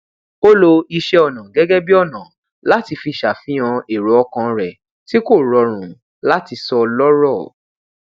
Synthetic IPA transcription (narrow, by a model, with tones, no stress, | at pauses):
o˦lo˧i˧ʃɛ˧ɔ˨nã˨ɡɛ˨˦ɡɛ˦bi˦ɔ˦˨nã˨ | la˦ti˧fi˧ʃa˨fĩ˨˦ã˧e˨ɾo˨˦ɔ˧kã˧ɾɛ˨ | ti˦ko˦˨ɾɔ˨˧ɾ̃ũ˨ | la˦ti˧sɔ˧lɔ˦ɾɔ˦˨